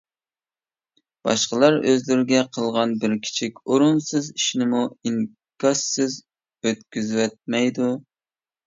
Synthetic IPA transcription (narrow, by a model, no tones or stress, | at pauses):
b̥ɑ̰ʃqəlˠɑɾøzlɪɾɪɡʲɛqʰəlˠʁɑnbɪɾkʲʰi̥t͡ʃʰikʲoɾʊnsɨziʃnɪmuiŋ | kɑsɨz | øt̪kʲyzwɛt̪̚mɛjd̪u